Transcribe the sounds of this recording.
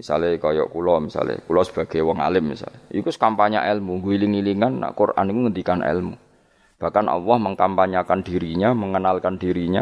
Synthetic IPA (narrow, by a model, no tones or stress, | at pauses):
misa̰lekɔjɔ̰ʔkulɔmisa̰lḛkulɔsə̥b̥aɡ̥ajwɔŋa̰lɪp̚misa̰leikuskampaɲa̰ʔɛlmuŋɡuiliŋiliŋanːa̰ʔkurʔa̰nikuŋənt̪ikanʔɛ̰lmu | b̥a̤hkanʔa̰lːɔhməŋkampaɲakand̥iɾiɲaməŋənalkandiɾiɲa